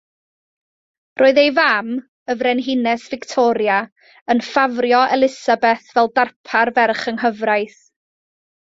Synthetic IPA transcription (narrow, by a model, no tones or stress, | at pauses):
rʔoːɨðejvam | əvrɛnɦɪnɛsvɪktʰɔɾja | ənfavrjɔɛlˠɪsabɛθvɛlˠdarpʰarvɛrχənɦəvrajθ